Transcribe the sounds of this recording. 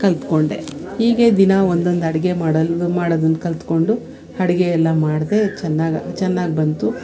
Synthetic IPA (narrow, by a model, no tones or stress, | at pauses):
kɐlt̪ko̞ɳɖe̞̰hiːɡe̞d̪inɐo̞nd̪o̞nd̪ɐɽiɡe̞maːɽmaːɽoːd̪ɐnːkɐlt̪ko̞ɳɖu | ɐɽɐɡeɛlːɐmaːɽd̪e̞t͡ʃɛnːaːɡ̰t͡ʃɛnːaːɡibɐnt̪u